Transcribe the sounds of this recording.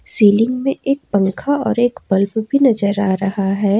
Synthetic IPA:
siːlɪ̃ŋɡmẽʔeːk̚pɐ̃ŋkʰaɔːɾeːkbɐlbbʱinɐzəɾaːɾɐɦaɦɛː

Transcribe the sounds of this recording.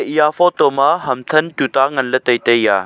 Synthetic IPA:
ijaːfɔt̪omaɦɐmt̪ʰənt̪ut̪aːŋɐnlət̪əjt̪əjjaː

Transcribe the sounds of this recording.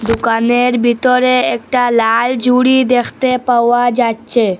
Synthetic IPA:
d̪ukaneɾbʱit̪ɔɾeek̚ʈalald͡ʒʱuɽid̪ekʰt̪epawad͡ʒat͡ʃʰe

